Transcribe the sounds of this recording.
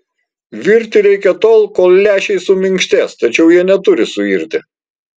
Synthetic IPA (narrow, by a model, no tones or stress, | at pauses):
ʋʲɪɾʲt̪ʲɪɾʲɛɪkʲɛt̪oːlˠkoːlˠlʲæːʃʲɛɪsʊmʲɪŋkʃʲt̪ʲɛst̪ɐt͡ʃʲɛʊjiɛnʲɛt̪ʊɾʲɪsʊiɾʲt̪ʲɪ